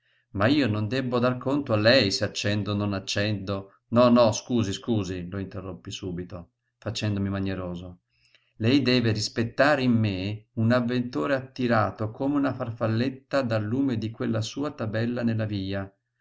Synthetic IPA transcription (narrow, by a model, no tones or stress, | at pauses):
maiːonond̪ɛbːod̪arkont̪oalːɛjseat͡ʃːɛnd̪ononat͡ʃːɛnd̪o | nɔnɔskuːziskuːziloint̪erːopːisuːbit̪o | fat͡ʃɛnd̪omimaɲeɾoːzo | lɛjd̪ɛːveɾispet̪ːaːɾeimːeunavːent̪oːɾeat̪ːiɾaːt̪okʰomeunafarfalːet̪ːad̪alːuːmed̪ikwelːasuːat̪abɛlːanelːaviːa